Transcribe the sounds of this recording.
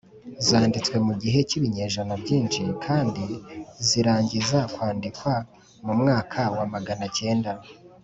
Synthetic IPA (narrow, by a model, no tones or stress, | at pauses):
zaːndit͡swe̞muɟiɦe̞ciβiɲe̞ːʒonobɟiːnʃikʰaːndiziɾaːɲɟizakwaːndikwa | mumŋaːkʰawamaɡanace̞ːnda